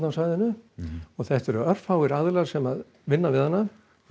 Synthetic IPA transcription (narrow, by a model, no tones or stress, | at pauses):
nawsaːjðɪnʏɔθɛht̪ɛɾʏœr̥fhawɣɪɾaðlḁsɛmað | vɪnːavɪðhanːa